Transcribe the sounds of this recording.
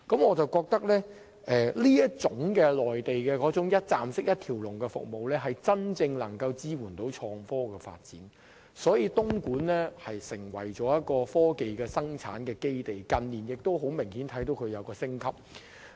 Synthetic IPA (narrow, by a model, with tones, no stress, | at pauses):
kɐ˨˥mŋɔː˨˧t͡sɐ˨wkɔː˧k̚t̪ɐ˥k̚lɛː˥ | ʔɛː˨liː˥jɐ˥t̚t͡sʊ˨˥ŋkɛː˧lɔː˨jt̪e˨jkɛː˧kɔː˨˥t͡sʊ˨˥ŋjɐ˥t̚t͡saː˨msɪ˥k̚jɐ˥t̚t̪ʰiː˨˩wlʊ˨˩ŋkɛ˧fʊ̰˨k̚mo˨wlɛː˥ɦɐ˨jt͡sɐ˥nt͡sɪ˧ŋlɐ˨˩ŋkɐ˧wt͡siː˥wuː˨˩nt̪o˨˥wt͡ʃʰɔː˧ŋfɔː˥kɛː˧fa̰ː˧t̚t͡sḭː˨˥n | sɔː˨˥jiː˧t̪ʊ˥ŋkuː˨˥nlɛː˥hɐ˨jsɪ˨˩ŋwɐ˨˩jt͡ʃɔː˨˥jɐ˥t̚kɔː˧fɔː˥ke˨jkɛː˧sɐ˥ŋt͡sʰa̰ː˨˥nkɛː˧ke˥jt̪e˨˩jkɐ˨nliː˨˩njɪ˨k̚t̪o˥wɦo˨˥wmɪ˨˩ŋhiː˨˥nt̪ʰɐ˨˥jt̪o˨˥wkʰɵ˨˧ɥjɐ˨˧wkɔː˧sɪ˥ŋkʰɐ˥p̚